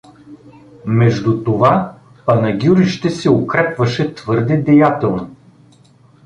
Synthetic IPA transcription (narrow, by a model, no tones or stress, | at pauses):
mɛʒd̪ut̪ova | pɐnɐɡʲuɾiʃt̪ɛsɛokɾɛpvɐʃɛt̪vɤɾd̪ɛd̪ɛjat̪ɛlˠno